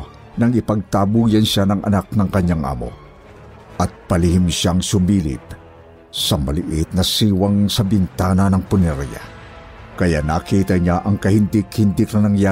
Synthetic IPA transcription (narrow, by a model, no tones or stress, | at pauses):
nɐŋɪpɐɡ̚t̪aːbuːjɐnʃanɐŋɐ̰nak̚nɐŋkɐɲːaŋʔa̰ːmo̰ | ʔɐt̪̚pɐlɪhimʃaŋsʊmiːlɪ̰t̪̚ | sɐmɐlɪʔɪt̪̚nɐsiːwɐŋsɐbɪnt̪aːnɐnɐŋpʊnɛɾja̰ | kɐjanakiːt̪ɐɲaʔɐŋkɐhind̪ikhɪnd̪ikɐnɐŋja